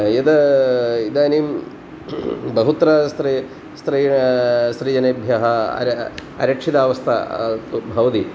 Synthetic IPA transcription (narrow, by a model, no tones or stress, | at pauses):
jɐd̪ɐid̪aːnim | bɐɦut̪ɾɐsɾi | st̪ɾisɾijɐnebʱjɐɦɐ̰ɾ | ɐ̰ɾɐkʂid̪aːʋɐst̪ʰɐt̪ubʱɐʋɐt̪i